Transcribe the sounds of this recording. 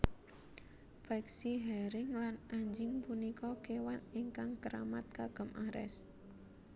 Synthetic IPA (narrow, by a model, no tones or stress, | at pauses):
faksiɦɛɾɪŋlanʔaɲd͡ʒɪŋpunikɔkewaniŋkaŋkəɾa̰mat̪̚kaɡ̥ə̤mʔaɾɛ̰s